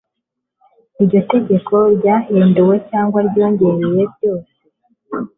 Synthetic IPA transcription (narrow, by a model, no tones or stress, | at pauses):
iɾɟo̞te̞ɟe̞kʰo̞ɾɟaheːndowe̞caːŋɡwaɾɟo̞ːɲɟe̞ɾeje̞bɟo̞ːse